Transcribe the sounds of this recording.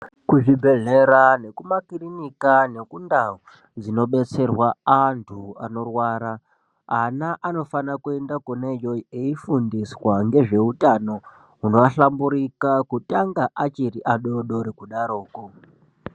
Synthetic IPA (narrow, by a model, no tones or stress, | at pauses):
kuʐibʱe̞ɮe̞ɾane̞kumakirinikane̞kundao | d͡zino̞ɓe̞t͡se̞rwaantʰua̰no̞rwaːɾa | anaʔano̞fanakue̞ndakunejo̞eifundiswaŋɡe̞ʐe̞utano̞ | uno̞ʋaɬambuɾikakutaŋɡaʔat͡ʃiriʔaɗo̞ɗo̞ɾekuɗaɾo̞ːko